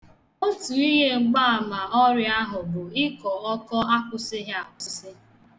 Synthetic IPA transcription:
o˦tu˨i˦ɦe˦ŋ͡m̩˨ɡ͡ba˦˨a˨ma˨ɔ˦ɾɪ˦a˦ɦʊ˨bʊ˨ɪ˦kɔ˨ɔ˦kɔ˦a˦kʊ˨sɪ˦ɦe˦a˨ʊ˨sɪ˦sɪ˦

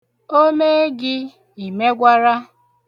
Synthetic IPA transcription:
o˦me˦ɡɪ˦ | i˨me˦ɡʷa˦ɾa˦

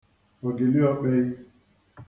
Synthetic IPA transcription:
o˨ɡe˨li˦ɔ˦k͡pɛ˦i˦

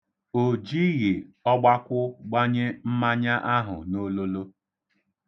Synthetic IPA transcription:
o˨d͡ʒi˦ɣi˨ɔ˦ɡ͡ba˦kʷʊ˦ɡ͡ba˦ɲe˦m̩˦ma˦ɲa˦ʔa˦ɦʊ̰˨no˦lo˦lo˦

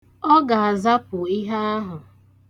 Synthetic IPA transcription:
ɔ˦ɡa˨a˨za˦pʊ˨i˦ɦa˦a˦ɦʊ˨

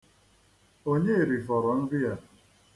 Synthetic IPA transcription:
o˦ɲe˦e˨ɾi˨fɔ˨ɾɔ˨n̩˦bi˦a˨

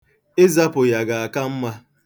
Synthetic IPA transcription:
e˦za˦pʊ˨ja˨ɡa˨a˨ka˦m̩˦ma˦

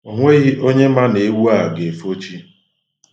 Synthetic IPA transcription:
o˨ŋʷe˦ɣi˦ʔo˦ɲe˦ma˦ne˨˦wu˦a˦˨ɡe˨fo˦t͡ʃi˦

